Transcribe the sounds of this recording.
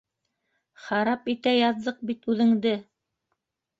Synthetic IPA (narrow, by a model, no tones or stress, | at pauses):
χɑɾɑpit̪æjɑðːɤq̚bit̪ʉðɘ̆ŋd̪ɘ